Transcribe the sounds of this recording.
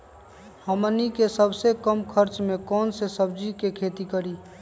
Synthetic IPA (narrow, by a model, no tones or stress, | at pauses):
həmənikesəbsekəmkʰəɾt͡ʃmẽkɔːnsesəbd͡ʒikekʰet̪ikəɾi